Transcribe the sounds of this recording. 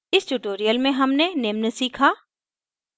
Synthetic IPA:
ɪsʈuːʈoːɾijəlmẽɦɐmneneːmnəsiːkʰaː

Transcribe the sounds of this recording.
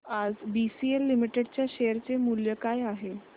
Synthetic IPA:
ad͡zbisielːimiʈeɽt͡ɕjaɕejəɾt͡semuljəkajaɦe

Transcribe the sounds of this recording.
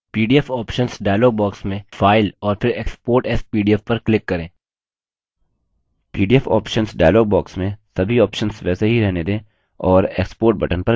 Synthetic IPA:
piːɖiɛfɔːpʃənsɖaːjloːɡ̚bɔːksmẽfaːɪlɔːɾfʰɪɾeːkspoːɾʈɛspiːɖiɛfpɐɾklɪkːɐɾẽː | piːɖiɛfɔ̰ːpʃənsɖaːɪlɔːɡ̚bɔːksmẽsɐbʱiɔːpʃənsʋɛːseɦiɾɛɦned̪ẽː | ɔːɾḛːkspoːɾʈ̚bɐʈənpɐ

